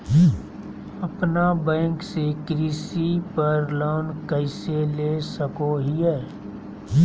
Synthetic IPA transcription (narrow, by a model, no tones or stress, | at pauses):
ɐpnabɛ̃ːŋksekɾiːsipɐɾloːnkəɪseleːsəkoɦiɦɛː